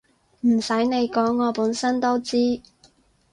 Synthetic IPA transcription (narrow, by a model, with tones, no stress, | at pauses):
m̩˨˩sɐ˨˥jne˨˧jkɔː˨˥ŋːɔː˨˧puː˨˥nsɐ˥nt̪o˥wt͡siː˥